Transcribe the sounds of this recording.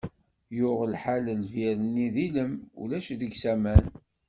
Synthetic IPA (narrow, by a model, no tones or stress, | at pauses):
jʊʁlħaləlviɾənːiðiləmṵlæʃd̪əɡsæmæn